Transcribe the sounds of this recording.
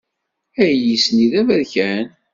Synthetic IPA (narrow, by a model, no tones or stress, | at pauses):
æjisniðævæðçæn